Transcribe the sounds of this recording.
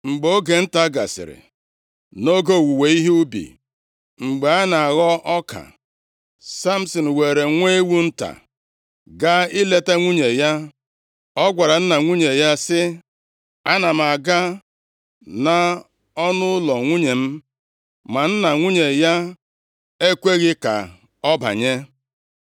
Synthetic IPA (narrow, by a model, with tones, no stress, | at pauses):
ŋ͡m̩˨ɡ͡bo˦ɡe˨n̩˦ta˦ɡa̰˨sɪ̰˨ɾɪ̰˨ | no˦ɡo˦˨wu˨we˨i˦ɦu˦bḭ˨ | ŋ͡m̩˨ɡ͡be˨a˦na˨a˨ɣɔ˦ʔɔ˦ka̰˨ | sa˦m̩˨sɔ˨n̩˨we˨ɾe˨ŋʷe˦e˦wu˦n̩˦ta̰˨ | ɡa˦ɪ˦le˦te˦ŋʷu˦ɲe˨ja˦ | ɔ˦ɡʷa˨ɾa˨n̩˦na˨ŋʷu˦ɲe˨ja˦sɪ˦ | a˦na˨m̩˨a˨ɡa˦ | na˨ | ɔ˦nʊ˦ʊ˦lɔ˨ŋʷu˦ɲe˨m̩˦ | ma˨n̩˦na˨ŋʷu˦ɲe˨ja˦ | e˦kʷe˦ɣɪ˦ka̰˨ | ɔ˦ba̰˨ɲe˦